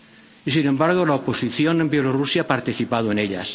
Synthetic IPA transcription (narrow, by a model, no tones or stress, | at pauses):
isine̞mbaɾɣ̞olaoposiθjonembjelorusjaapaɾt̪iθipaðoeneʎa̰s